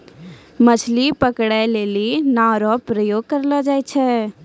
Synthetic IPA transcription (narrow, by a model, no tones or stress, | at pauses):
mət͡ʃʰlipəkɽaleːlinaɾɔpɾəjoːɡ̚kəɾlɔd͡ʒaːit͡ʃʰɛː